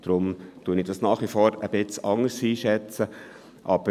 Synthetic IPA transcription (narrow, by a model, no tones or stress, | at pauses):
d̥ɾʊmt̪uːənɪd̥ɑsnɑːχʋifɔːɾəb̥ɪt͡sɑŋəɾsiːʃɛt͡sə | ʔɑb̥ə